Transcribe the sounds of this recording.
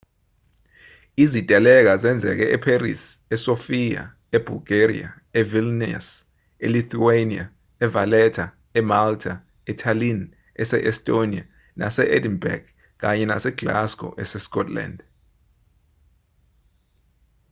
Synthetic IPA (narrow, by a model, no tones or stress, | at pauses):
izitʼɛlɛk̬azɛnd͡zʱɛ̰k̬ɛʔɛpʰerḭs | ɛsofija̰ | eb̥ʱulɡ̥erḭa̰ | evilnɛ̰s | eliθuenia̰ | ɛvalɛtʰa | ɛmaltʰa | ɛtʰalin | ɛsɛ̰ʔɛstʼonia̰ | na̰sɛʔedinbɛ̰rɡ | k̬aɲɛna̰sɛɡ̥la̰skʼɔ̰ʔɛsɛskʼɔtʰʼla̰nd